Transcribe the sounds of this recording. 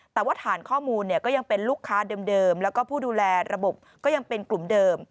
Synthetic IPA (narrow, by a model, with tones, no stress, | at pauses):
t̪ɛː˨˩waː˥˩t̪ʰaː˩˦nkʰɔː˥˩muː˧nːi˥˩ɐkɔː˥˩ja˧ŋpe˧nluː˥˩kʰːaː˦˥dɤː˧mdɤː˧mlɛː˦˥wkɔː˥˩pʰuː˥˩duː˧lɛː˧ɾa˧bo˨˩p̚kɔː˥˩ja˧ŋpe˧nklu˨˩mdɤː˧m